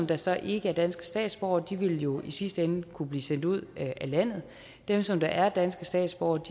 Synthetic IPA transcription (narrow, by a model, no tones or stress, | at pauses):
md̥ɑ̈sɒ̽ʔe̝ɡ̥əæɐd̥ænsɡ̥ə̥sd̥ɛ̰ːd̥sb̥ɒʊ̰ɐd̥iʋe̝ljo̝isisd̥əenəkʰub̥liːsen̰d̥uð̞̰ˠælæn̰ð̩ˠ | d̥emsɒ̽md̥ɑ̈ʔæɐd̥ænsɡ̥əsd̥ɛ̰ːd̥sb̥ɒ̰ʊ̰ɐd̥i